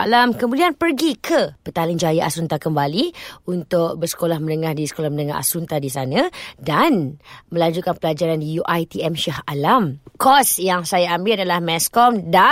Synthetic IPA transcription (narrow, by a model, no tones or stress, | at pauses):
alamkəmũlianpərɡikʰəpət̪alɪŋd͡ʒajaʔasunt̪akəmbaliunt̪ʊk̚bərsə̥kolahmənəŋahdisə̥kolahmənəŋaɦa̰sunt̪adisanãdanmə̃laɲd͡ʒukanpəlad͡ʒaɾandijuʔajt̪iɛmʃahalamkɔsjaŋsajaambɪladalahmɛskɔmda